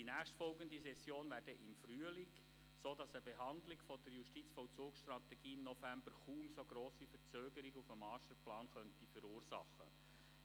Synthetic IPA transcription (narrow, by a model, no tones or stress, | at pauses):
d̥inæːχstfɔlɡənd̪isɛsjoːnʋæːɾdəʔɪmfryəlɪɡ | soːdɑsəbeɦɑnd̪lɪkfɔd̥əɾjuʃtit͡sfɔwt͡suːksʃtɾɑt̪ɛɡ̥iːɪmnɔfæmbəɾχuːmsoɡɾoːsifəɾt͡søːɡəɾiɡufəmɑːʃtəplɑːnχœntifəɾuːɾsɑ̰χːə̰